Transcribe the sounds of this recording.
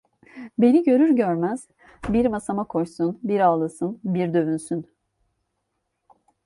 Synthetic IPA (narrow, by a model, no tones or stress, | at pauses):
be̞niɟø̞ɾyɾɟøɾmæz̥ | biɾmasamakʰo̞jsunbiɾalˠɯsɯnbiɾd̪ø̞vynsyn